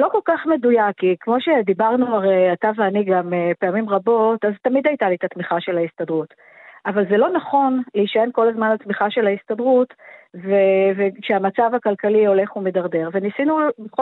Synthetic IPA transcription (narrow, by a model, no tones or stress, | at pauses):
lo̞ko̞lkaχme̞dujakːikmo̞ʃe̞d̪ibaʁnuaʁejataveaniɡamepe̞amimʁabo̞taztamid̪ajtalit̪atmiχaʃe̞lhaist̪adʁut | ʔavalze̞lo̞naχo̞nleiʃae̞nko̞lazmanlatmiχaʃe̞laistadʁutvevekʃeamat͡savakalkalio̞le̞χumedaʁde̞ʁve̞nisinubeχ